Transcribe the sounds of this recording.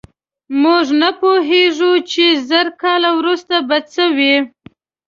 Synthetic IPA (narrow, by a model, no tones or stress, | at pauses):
muʐnapoɦeʐut͡ʃezəɾkɑlawɾust̪abad̪səwi